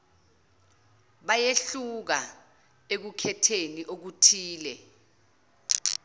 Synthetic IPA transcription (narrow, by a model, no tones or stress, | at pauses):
ɓajeɬuk̬a | ek̬ukʰɛtʰeniʔok̬utʰiːlɛ